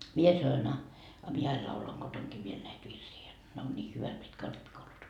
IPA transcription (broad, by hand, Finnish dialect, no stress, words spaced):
mie sɑnoin ɑ ɑ mie ɑil lɑulɑŋ ɡ̊otoŋkiː ʋiel næit ʋirsiː jot ne on niː hyʋæt mitkæ o ripːikoulus